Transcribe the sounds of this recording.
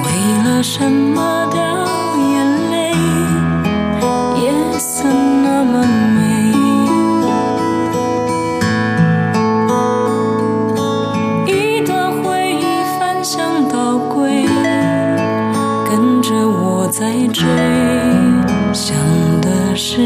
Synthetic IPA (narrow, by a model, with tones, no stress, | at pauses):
we˧˥ɪlə˧ʂə˧˦mmə˧t̪ɑ˥˧˩ | jə˧nle˧˥ɪ | jɛ˨˩ | sə˧nnə˧mə˧˩me˧˥˩ɪ˧ | i˧˥ | d̪ə˧˩xwe˥˧ɪi˧˩fa˧nɕjɑ˥˧ŋt̪ɑ˨˩ʊkwe˥ɪ | kə˦˥nʈ͡ʂə˧wɔ˨˩t͡sa˥˧ɪʈ͡ʂwe˥ɪ | ɕjɑ˨˩ŋd̪ə˧ʂɻ̩˥˧